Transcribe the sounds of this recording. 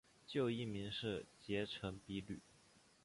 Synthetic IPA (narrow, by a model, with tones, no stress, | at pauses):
t͡ɕjo˥˧ʊi˥˩mi˧˥ŋʂɻ̩˥˩t͡ɕjɛ˧˥ʈ͡ʂʰɤ˧˥ŋpi˧˥ly˨˩˦